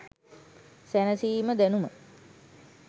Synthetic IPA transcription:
sænəsiːməd̪ænumə

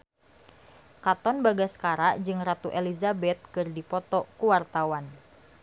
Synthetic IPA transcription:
kat̪ɔnbaɡaskaɾaʔd͡ʒɨŋrat̪uʔelizabɛt̪̚kɨrdipɔt̪ɔkuwart̪awan

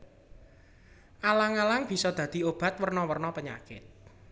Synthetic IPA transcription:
ʔalaŋalaŋb̥i̤sɔd̪̥ä̤d̪̥i̤ob̥a̤t̪̚wərnɔwərnɔpəɲa̰kɪ̰t̪̚

